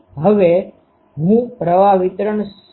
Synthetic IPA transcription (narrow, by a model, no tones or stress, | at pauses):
ɦəʋe | ɦũpɾəʋaʋit̪ɾəɳs